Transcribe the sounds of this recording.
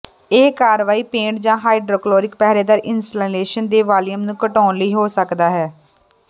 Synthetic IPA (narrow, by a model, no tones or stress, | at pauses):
eːkaːɾʋaːiːpẽːɳʈd͡ʒãːɦaːiɖɾoːkloːɾɪk̚pɛːɾeːd̪aːɾʔɪnsʈaleːʃənd̪eːʋaːljəmnũːkəʈɔːnləiːɦoːsəkd̪aːɦɛː